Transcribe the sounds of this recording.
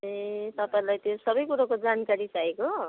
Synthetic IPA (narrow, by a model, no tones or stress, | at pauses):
et̪ʌpaĩlajt̪josʌbʌjkuɾakod͡zankaɾit͡saeko